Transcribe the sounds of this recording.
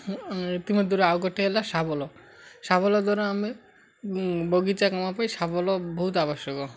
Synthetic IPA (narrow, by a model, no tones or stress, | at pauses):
ɾit̪imod̪ʱːuɾeaoɡɔʈeelaʃabɔlo | ʃabɔlod̪ʱɔɾoami | boɡit͡ɕakɔmapajʃabɔloboɦut̪aboʃjoko